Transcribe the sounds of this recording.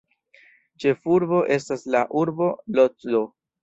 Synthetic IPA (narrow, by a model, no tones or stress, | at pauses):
t͡ʃe̞fuɾbo̞ʔe̞staslaʔuɾbo̞lot͡sdo